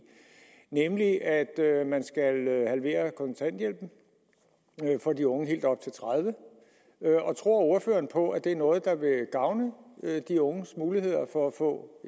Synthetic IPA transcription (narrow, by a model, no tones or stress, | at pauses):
nemliʔæd̥ømænsɡ̥ælhælʋe̝̰ːɐkʰɒ̽nt͡sʰæn̰d̥jel̰b̥n̩ | fɒ̽diɔ̽ŋəɦe̝̰ːld̥ɒ̽b̥̚t͡sʰe̝lt͡sʰʁaðˠʋə | ʔɒ̽t͡sʰʁo̝ɐ̰o̝ɐfø̰ːɐnpʰɒ̽ʔæd̥e̝æɐnɔ̽ːð̞̩ˠd̥ɑ̈ʋe̝ɡ̥ɑ̈ʊnəd̥iɔ̽ŋəsmuːlihe̝ð̞̰ˠɐfɒ̽æfɔ̰̽ː